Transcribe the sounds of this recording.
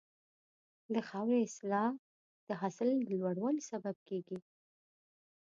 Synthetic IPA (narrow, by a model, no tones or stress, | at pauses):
d̪əxɑwɾeɪslɑ | d̪̥əɦasləlwaɽwɑlsabab̚keɡi